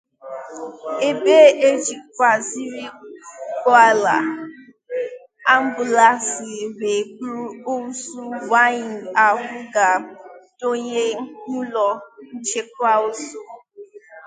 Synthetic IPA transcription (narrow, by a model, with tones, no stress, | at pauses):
e˦be˦ʔe˦d͡ʒi˨kʷa˨zi˦ɾi˦kɔ˦a˦la˨ | a˦m̩˦bu˨la˦si˨be˨k͡pɾu˦o˦u˦su˦va˦i˨n˨a˨ɦʊ˦ɡa˨do˦ɲe˦ŋu˦lɔ˨n̩˦t͡ʃe˦kʷa˦o˦su˦